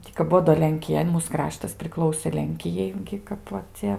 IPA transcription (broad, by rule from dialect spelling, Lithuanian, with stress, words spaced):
ˈtʲiː kɐp ˈbuɔ doː lʲɛŋʲkʲɪˈjɛ ɪ ˈmuːs ˈkrɑːʃtɐs pʲrʲɪˈklˠɐʊsʲeː ˈlʲɛŋʲkʲɪjɛɪ ˈɡʲɪ ˈkɐp ʋɐ ˈt͡sʲɛ